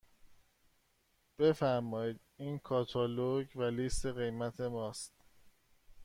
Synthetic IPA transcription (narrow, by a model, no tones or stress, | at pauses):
b̥e̞fæɾmɒːid̪iːnkʰɒːt̪ʰɒːloɟvæliːst̪ʰe̞ɣe̞jmæt̪ʰe̞mɒːst̪